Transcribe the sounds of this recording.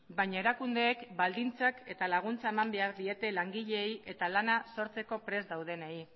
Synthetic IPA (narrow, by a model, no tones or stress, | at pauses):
bajɲae̞ɾakund̪e̞ːkbald̪int͡sake̞t̪alaɣ̞unt͡sae̞mambe̞aɾðie̞t̪e̞laŋɡiʎe̞jʔe̞t̪alanaso̞ɾt͡se̞ko̞pɾe̞zd̪awð̞e̞nei